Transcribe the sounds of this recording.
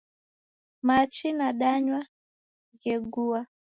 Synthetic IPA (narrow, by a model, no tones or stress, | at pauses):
mat͡ʃinaɗaɲwa | ɣɛɡua